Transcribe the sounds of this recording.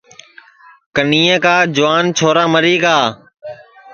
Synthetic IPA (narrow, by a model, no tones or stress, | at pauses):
kəniːə̃kaːd͡ʒʊʋaːnt͡ʃʰoːɾaːməɾiːkaː